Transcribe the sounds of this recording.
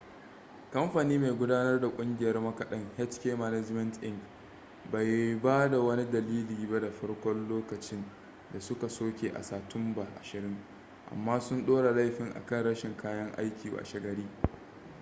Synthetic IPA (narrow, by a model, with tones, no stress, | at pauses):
kɐ˦mɸaː˨niː˦ma˨jɡʷʊ˦daː˦nɐ˦rda˨kʷʼʊ˦ŋɡʲɪ˨jɐ˦rmɐ˦kɐ˨ɗɐ˦ŋhɛ˦t͡ʃkʲeː˦mɐ˦nɛ˦d͡ʒmɛ˦ntʔɪ˦ŋɡ | ba˨jbaː˦da˨wɐ˦ni˦dɐ˨liː˦liː˨ba˦da˨ɸɐ˦ɽkʷɔ˦nloː˦kɐ˨t͡ʃɪ˦n | da˨sʊ˦ka˨soː˦kʲeː˨ʔa̰˨saː˨tʊ˦mba˨ʔa˨ʃɪ˨ɾɪ˦ŋ | ʔa̰˨mːaː˦sʊ˦nɗoː˦ɽa˨la˦jɸɪ˨ŋʔa̰˨kɐ˦˨nɽɐ˦ʃɪ˨ŋkʰaː˦jɐ˦ŋʔa̰˦jkʲiː˨wʔa̰˨ʃɐ˨ɡɐ˦ɽiː˦